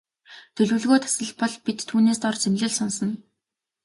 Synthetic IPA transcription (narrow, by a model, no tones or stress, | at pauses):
t̪ʰɵɮuːɮɣoːt̪ʰḁsə̆ɮpɔɮpit̪tʰːuːneːst̪ɔrt͡semɮɘ̆ɮsɔnsɞ̆n